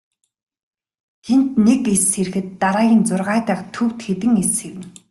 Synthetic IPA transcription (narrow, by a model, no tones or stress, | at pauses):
t̪ʰent̪nekeseɾ̆xɘ̆t̪ːaɾaːɣʲiːnt͡sʊrʁaːt̪æːχt̪ʰɵkt̪xet̪ɘ̆ŋesxeɾɘ̆n